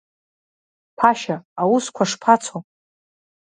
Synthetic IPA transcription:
pʰaʃaawuskʷʰaʂpʰat͡sʰo

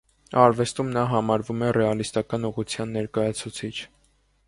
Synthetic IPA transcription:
ɑɾvɛst̪umnɑɦɑmɑɾvumɛrɛɑlist̪ɑkɑnuʁut͡sʰjɑnːɛɾkɑjɑt͡sʰut͡sʰit͡ʃʰ

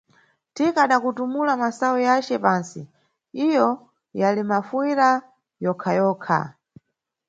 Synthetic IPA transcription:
tikaɗakutumulamasawujat͡ʃɛpaːnsḭ | ijɔ | jalimafwiɾa | jɔkʰajɔːkʰa̰

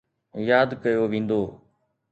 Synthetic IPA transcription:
jaːd̪kəjoːʋĩːn̆d̪oː

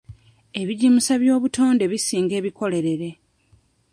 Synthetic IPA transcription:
e̞βiɟimusaβjo̞ːβuto̞ːnde̞βisiːŋɡe̞ːβiko̞le̞ɾe̞ɾe̞

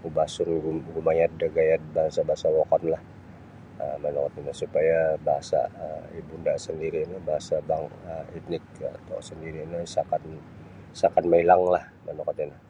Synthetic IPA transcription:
ubasuɾiuɡumajadaɡajat̪̚baɦasabaɦasawɔkɔnlah | ə̰manɔkɔt̪inasupajabaɦasa̰əibundasəndiɾinobaɦasabaŋəit̪nɪk̚ət̪ɔ̰səndiɾinosakan | sakanmailaŋlah | manɔkɔt̪ina

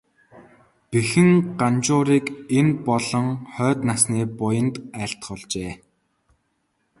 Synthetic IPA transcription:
pexɘ̆ŋɢant͡ɕʊːɾiːkenpɔɮɞ̆ŋχœːt̪nasniːpʊjə̆nt̪æːɬt̪χʊɮt͡ɕeː

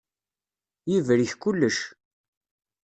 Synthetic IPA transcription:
jivɾiçkulːəʃ

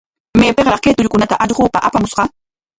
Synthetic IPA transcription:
meːpeχɾɑχkeːt̪ʊʎkʊnat̪aʔɑʎɢoːpaʔapamʊsqɑ

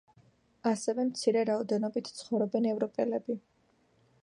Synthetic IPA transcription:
asɛvɛmt̪sʰiɾɛɾaɔd̪ɛnɔbit̪ʰt̪sʰχɔvɾɔbɛnɛvɾɔpʼɛlɛbi

